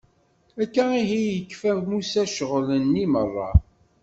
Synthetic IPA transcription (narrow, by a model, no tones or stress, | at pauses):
ækːæiɦijəkːfævmusæʃəʁlənːimərˤːɑ̰